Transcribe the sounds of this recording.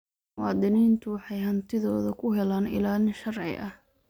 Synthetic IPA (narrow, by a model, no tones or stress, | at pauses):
wɑːd̪ɪniːnt̪ʰʊwɑħɑjɦɐnt̪ʰɪðɔːðɐkʰʊɦɛlaːnɪ̰laːlɪnʃɐrʕɪ̰ʔɐh